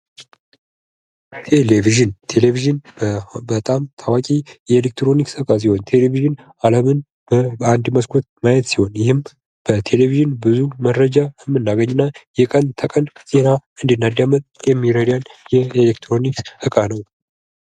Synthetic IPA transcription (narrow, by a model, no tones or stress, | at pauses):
t̪ʰeleviʒɨnt̪ʰe̞leviʒɨnbət̪ʼamt̪ʰawakʲʼijɛelek̚t̪ɾo̞niksɨkʼas̬iho̞nt̪ʰe̞leviʒɨn | aləmɨn | bəand̪məskʰot̪̚majɛt̪siho̞njɪhɨm | b̥ət̪ʰe̞leviʒɨnbɨzuməɾːəd͡ʒaəmːɨnːaɡəɲːɪnːajɛkʼənt̪ʰəkʼənz̥e̞naɨnd̪ɨnːad̪jamət̪ʼjɛmːiɾəd̪anjɛelek̚t̪ʰɾo̞nikshɨkʼanəw